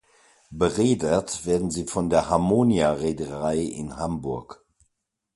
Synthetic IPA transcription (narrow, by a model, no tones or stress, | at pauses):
b̥əʁeːdətv̥eːɐdn̩ziːfɔndeːɐhaɐmoːniaʁeːdəʁaɪʔɪ̰nhambʊɐk